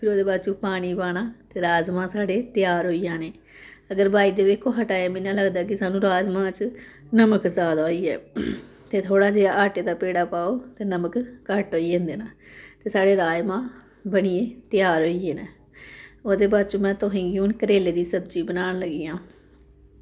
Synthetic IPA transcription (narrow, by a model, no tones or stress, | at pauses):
pʰɪɾoːd̪eːbaːd̪t͡ʃũːpaːɽ̃iːbaːɽ̃aːt̪eːɾaːzmãːsaːɖeːt̪ɪjaːɾɦoːijãːneː | əɡəɾbʱaːiːd̪eːbekʰːõːɦəʈaːjãːmɪnãːləɡd̪aːkɪsaːnũːɾaːzmãːt͡ʃ | nəməkzaːd̪aːɦoiːɛ̰ː | t̪eːt̪ʰoːɽaːd͡ʒeːaːʔaːʈeːd̪aːpeːɽaːpaːoːt̪eːnəməkkəʈoːiːẽnd̪eːnaːt̪eːsaːɖeːɾaːjmãː | bəɽ̃iːeːt̪ɪjaːɾɦoːieːneː | oːd̪eːbaːd̪̚t͡ʃõːmɛ̃ːt̪ʊɦĩːɡiʊːnkəɾeːleːd̪iːsəbd͡ʒiːbənaːnləɡiːãː